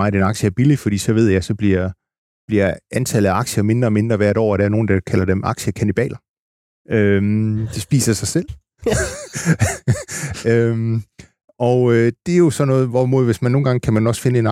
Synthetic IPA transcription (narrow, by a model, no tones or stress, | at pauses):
ɑ̈ɪd̥enɑ̈ɡ̥ɕəæɐb̥ilifɒd̥ḭːsɒ̽ʋe̝ð̞̰ˠjɑ̈ɪsɒ̽b̥liɐ | b̥liɐænt͡sʰælð̩ˠæɑ̈ɡ̥ɕəme̝nd̥ʁɐɒ̽me̝nd̥ʁɐʋæɐɾ̥ɒ̰ːɒɾ̥æɐno̝ːn̩d̥ɑ̈kʰælɐd̥emʔɑ̈ɡ̥ɕəkʰænib̥ɛ̰ːlʔɐ | ømd̥esb̥ḭːsɐsɑ̈ɪsel̰ | øm | ɒʊød̥e̝æjo̝sɒ̽nːɔ̽ːð̩ˠʋɒmo̝ðˠʋe̝smænːo̝ːn̩ɡ̥ɑ̈ŋəkʰæmænɒ̽sfe̝nəe̝n